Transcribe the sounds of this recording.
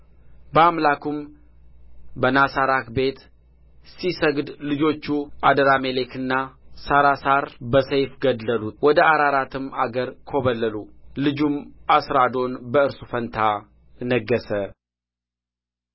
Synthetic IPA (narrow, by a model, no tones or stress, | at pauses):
bəamlakʰum | bənasaɾakbe̞t̪ | sisəɡd̪lɨd͡ʒo̞t͡ʃːuʔad̪əɾamele̞kɨnːasaɾasaɾbəsəjfɡəd̪ːəlut̪wɔd̪əʔaɾaɾat̪ʰɨmaɡəɾkʰo̞βəlːəlulɨd͡ʒumasɾad̪o̞nbəɨɾsufənt̪ʰa | nəɡːəsə